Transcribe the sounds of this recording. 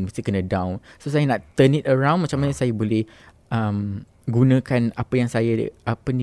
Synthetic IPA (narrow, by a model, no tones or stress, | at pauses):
nməst̪ikənə̃dãwnsosajanaʔt̪ənitəɹãwnmat͡ʃamaɲasajabolɛh | əm | ɡunãkanapajaŋsajaʔapəni